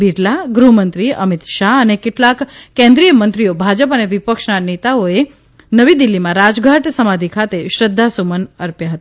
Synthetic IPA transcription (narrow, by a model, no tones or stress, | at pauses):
biɖlaɡɾumənt̪ɾiə̰mit̪ʃaɦənekeʈlakːɛ̃nd̪ɾijəmənt̪ɾiobʱad͡ʒəpəneʋipəkʃnanet̪aoe | nəʋid̪ilːimãɾad͡ʒɡʱaʈsəmad̪ʱikʰat̪eʃɾəd̪ʱːasumənəɾpjaɦət̪a